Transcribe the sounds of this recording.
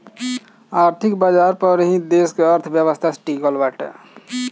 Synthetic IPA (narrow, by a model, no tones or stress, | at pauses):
aːɾt̪ʰikbad͡ʒaɾpəɾɦĩd̪eːskeəɾt̪ʰbjəʋəst̪ʰasʈiːɡəlʋaʈ